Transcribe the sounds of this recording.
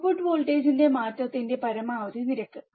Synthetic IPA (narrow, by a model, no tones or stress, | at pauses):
fuʈːɨʋoːɭʈeːd͡ʑinde̞maːtːɐt̪ːinde̞pɐɾɐmaːʋɐd̪iniɾɐkːɨ